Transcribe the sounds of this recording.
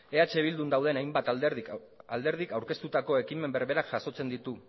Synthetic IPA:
e̞at͡ʃe̞β̞ild̪und̪awðe̞najmbat̪ | ald̪e̞ɾð̞ikawɾke̞st̪ut̪ako̞e̞kime̞mbe̞ɾβe̞ɾakʝaso̞t͡se̞nd̪it̪u

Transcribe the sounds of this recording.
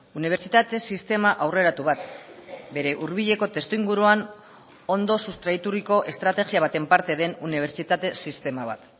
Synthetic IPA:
uniβ̞e̞ɾt͡ʃit̪at̪e̞sist̪e̞maʔawre̞ɾat̪uβ̞at̪be̞ɾe̞ʔuɾβiʎe̞ko̞t̪e̞st̪uiŋɡuɾuan | o̞nd̪o̞sust̪ɾait̪uɾiko̞ʔe̞st̪ɾat̪e̞ɣiaβ̞at̪e̞mpaɾt̪e̞ðe̞nuniβ̞e̞ɾt͡ʃit̪at̪e̞sist̪e̞maβ̞a̰t̪

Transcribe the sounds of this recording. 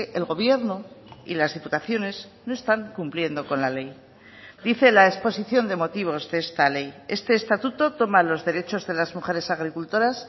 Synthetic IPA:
ʔelɣo̞β̞je̞ɾnoḭlazðiput̪aθjo̞ne̞z | no̞e̞st̪aŋkumplje̞nd̪o̞ko̞nlale̞j | d̪iθe̞laespo̞siθjo̞nd̪e̞mo̞t̪iβ̞o̞zðee̞st̪ale̞je̞st̪e̞ːst̪at̪ut̪o̞t̪o̞malo̞zðe̞ɾe̞t͡ʃo̞zðe̞lazmuχe̞ɾe̞saɣɾikult̪o̞ɾas

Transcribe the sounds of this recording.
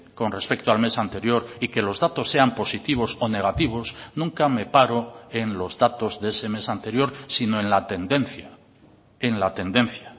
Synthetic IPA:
ko̞nre̞spe̞k̚t̪oalme̞sant̪e̞ɾjoɾike̞lo̞zðat̪o̞sːe̞ampo̞sit̪iβ̞o̞so̞ne̞ɣ̞at̪iβ̞o̞snũŋkame̞paɾoenlo̞zðat̪o̞zðe̞se̞me̞sant̪e̞ɾjo̞ɾsino̞e̞nlat̪e̞nd̪e̞n̟θja | enlat̪e̞nd̪e̞nθja

